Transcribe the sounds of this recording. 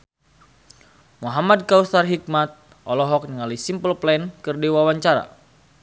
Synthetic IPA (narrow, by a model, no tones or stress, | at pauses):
muɦamad̚kausarɦik̚mat̪̚ | ʔɔlɔɦɔk̚nəŋalisimpəlplɛnkərdiwawaɲt͡ʃaɾa̰